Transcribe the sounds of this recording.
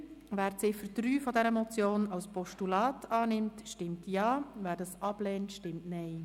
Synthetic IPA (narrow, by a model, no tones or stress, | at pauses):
væːɾt͡sɪfəɾd̥ɾyːfɔdɛɾəmɔt͡sjoːnɑwspɔʃtulɑːtʰɑːnɪmtʃtɪmtjɑːvæːɾdɑsɑb̥lɛːntʃtɪmtnɛɪ